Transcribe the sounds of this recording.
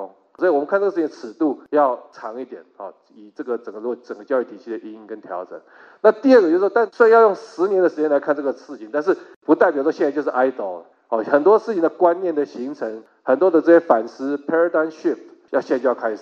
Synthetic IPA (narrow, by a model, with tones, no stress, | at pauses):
swɔ˧˥i˨wɔ˨˩mə˦nkʰa˥˧t͡sʈ͡ʂɤ˥˧ʂ̩˥˩t͡ɕĩ˧ndə˧t͡sʰɻ̩˨˩t̪u˥˩jɑ˥˩ʊʈ͡ʂʰɑ˧˥ŋi˥˩t̪jɛ̰˨˩˦nxɔ˨˩ | i˨˩ʈ͡ʂɤ˥˩ɡə˩ʈ͡ʂə˨˩ŋɡə˦lɔ˥˩ʈ͡ʂə˨˩ŋɡə˦t͡ɕjɑ˥˧ʊy˥˩t̪ʰi˨˩ɕi˥˩d̪ə˨˩ʔi˧˥i˥kə˦nt̪ʰjɑ̰˧˥ʊʈ͡ʂə̰˨˩˦ŋ | na˥˧t̪i˥˧ə˥˩ɡə˩t͡ɕjʂwɔ˥˧t̪a˥˩nswjɑ˥˧jʊ˥˩ŋʂɻ̩˧˥njɛ˧˥nd̪ə˨ʂɻ̩˧˥t͡ɕjɛ˥nla˧˥ɪkʰa˥˧nʈ͡ʂɤ˥˩ɡə˩sɹ̩˥˧t͡ɕʰi˨˦nt̪a˥˧nʂ̬ɻ̩˥˩ | pu˧˥t̪a˥˩ɪp̬ʲjʂwɔ˥ɕjɛ˥˧a˥˧t͡ɕo˥˧ʊʂɻ̩˥˩ʔa˥ɪt̪o˧˥˩ə˩ | ɔ˥˩xə˨˩nt̪wɔ˥ʂɻ̩˥˩t͡ɕʰi˨nd̪ə˩kwa˦nnjɛ˥˩nd̪ə˩ɕi˧˥ŋʈ͡ʂʰə˧˥ŋ | xə˨˩nt̪wɔ˥d̪ə˨˧t͡sɤ˥˧ɕjɛ˥fa˨˩nʂɹ̩˥pʰɛ˥ə˥˧t̪a˥ɪnʂi˥˩pt | jɑ˥˧ʊɕjt͡ɕkʰa˥ɪʂ̩˨˩